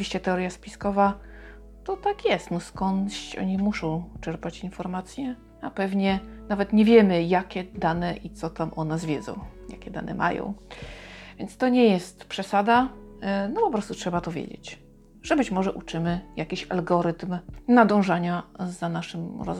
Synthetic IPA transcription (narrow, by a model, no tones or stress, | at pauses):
vʲiɕt͡ɕɛt̪ɛɔɾjaspʲiskɔva | t̪ɔt̪akjɛst̪nɔskɔnɕɔ̰ɲimuʂɔ̃w̃t͡ʂɛɾpat͡ɕinfɔɾmat̪sʲjɛ | apɛvɲɛnavɛt̪ɲɛvʲjɛmɘjakʲɛd̪anɛʔit̪sɔt̪amʔɔnɛzvʲjɛd̪zɔ̰̃w̃ja̰kʲɛd̪a̰nʔɛ̰mʔa̰jɔ̰̃w̃ | vʲjɛnt̪st̪ɔɲɛjɛst̪pʂɛsad̪anɔpɔpɾɔst̪utʂɛbat̪ɔvʲjḛd͡ʑḛt͡ɕ | ʐ̥ɛbɘt͡ɕmɔʐɛʔut͡ʂɘmɘjakʲiɕa̰lɡɔɾɘt̪mnad̪ɔ̃w̃ʐaɲazanaʂɘmɾɔ̰z